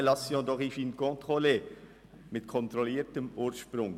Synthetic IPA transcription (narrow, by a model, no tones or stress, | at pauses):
lɑsjõːd̪ɔχifinkõt̪ʁole | mɪt̪kʰɔnt̪ɾɔliːɾtəmuːɾʃpɾʊŋ